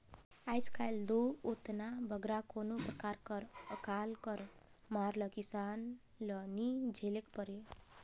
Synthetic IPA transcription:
ajd͡zkʰajld̪oot̪nabʱʌɡɾakonoprʌkaɾkʌɾəkalkʌɾ | maɾlʌkisan | lʌnid͡zʱelekpʌɾe

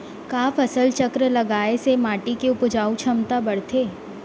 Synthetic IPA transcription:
kaːfɐsəlt͡ʃɐkɾəlɐɡaːesemaːʈikeʊpʊd͡ʒaːut͡ʃʰɐmt̪abɐɽ̤t̪ʰeː

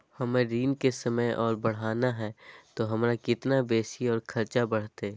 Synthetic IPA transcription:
hɐmẽɾiːnkesəməjʔɔːɾbɐɽ̤aːnaɦɛt̪oɦɐmɾakɪt̪nabeːsiɔːɾkʰɐɾt͡ʃabɐɽ̤t̪e

